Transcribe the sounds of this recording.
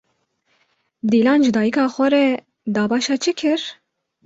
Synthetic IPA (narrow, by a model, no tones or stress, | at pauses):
d̪iːlɑːnʒɨd̪ɑːjikɑːxʷɛɾɛ | d̪ɑːbɑːʃɑːt͡ʃʰɨkʰɨɾ